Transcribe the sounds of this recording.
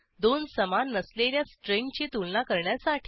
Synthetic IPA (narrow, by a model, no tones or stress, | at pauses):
d̪onsəmanːəsleɾjasʈɾeŋɡt͡ɕiːt̪ulnakəɾɳjasaʈʰ